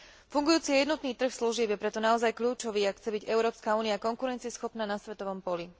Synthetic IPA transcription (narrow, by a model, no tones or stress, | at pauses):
fuŋɡujuːt͡sijɛjɛd̪nɔt̪niːt̪r̩xsluʒɪɛbjɛpɾɛt̪ɔnaɔzajkʎuːt͡ʃɔʋiːakxt͡sɛbiɟɛʊɾɔːpskauːniakɔŋkuɾɛnt͡siɛsxɔpnaːnasʋɛt̪ɔʋɔmpɔli